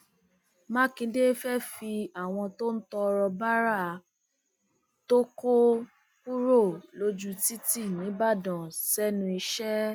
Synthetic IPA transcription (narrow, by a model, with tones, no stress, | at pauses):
mã˦kĩ˧de˦fɛ˦fi˧a˨w̃ɔ̃˧to˦n̩˦tɔ˧ɾɔ˧ba˦ɾa˦˨ | to˦ko˦ | pu˦ɾo˦˨lo˧˦d͡ʒu˦ti˦ti˦˨nĩ˨˦ba˦˨dɔ̃˨sɛ˦nũ˧i˧ʃɛ˦